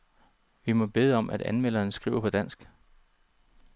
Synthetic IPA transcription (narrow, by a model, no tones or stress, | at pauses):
ʋimɒ̽b̥e̝ðˠəɒ̽mʔæd̥ænmel̰ɐːnsɡ̥ʁḭʊ̰ɐpʰɒ̽d̥æn̰sɡ̥